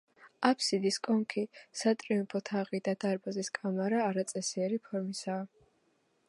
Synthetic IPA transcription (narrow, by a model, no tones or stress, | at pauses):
apʰsid̪iskʼɔŋkʰisat̪ʼɾiumpʰɔt̪ʰaʁid̪ad̪̥aɾbaziskʼamaɾaːɾat̪sʼɛsiɛɾipʰɔɾmisaː